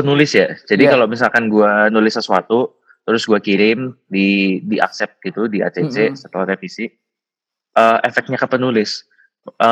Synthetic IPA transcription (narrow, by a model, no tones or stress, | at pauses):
ənulɪsjad͡ʒadikalomisalkanɡuanulɪsəsuat̪u | t̪əɾʊsɡuakiɾɪmdidiʔa̰ksɛp̚t̪̚ɡit̪udiʔa̰t͡ʃet͡ʃesət̪əlaht̪efisi | ʔəmʔɛfɛk̚t̪̚ɲakəpənulɪs | ʔə